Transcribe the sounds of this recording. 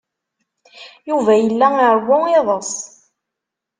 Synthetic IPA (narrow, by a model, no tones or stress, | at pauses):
juvæjəlːæɪɾˤwʊeðˤəsˤ